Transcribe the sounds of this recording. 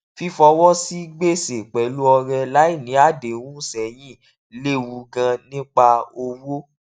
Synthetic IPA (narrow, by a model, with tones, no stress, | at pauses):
fi˦fɔ˧wɔ˦si˦ɡ͡be˦se˨k͡pɛ˨lu˦ɔ˧ɾɛ˧la˨˦i˦˨nĩ˨˦a˦˨de˨wũ˦sɛ˨jĩ˦˨ | le˦˨wu˧ɡã˧nĩ˦k͡pa˧o˧wo˦